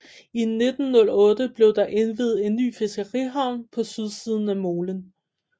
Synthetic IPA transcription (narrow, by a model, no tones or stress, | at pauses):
ine̝d̥n̩ːɔ̽lɔ̽ːd̥əb̥le̝ʊd̥ɑ̈ʔe̝nʋið̞̩ˠe̝nːy̰ːfe̝sɡ̥ɐʁḭɦɑ̈ʊ̰npʰɒ̽syð̞ˠsiːð̞ˠn̩æmo̝ːlən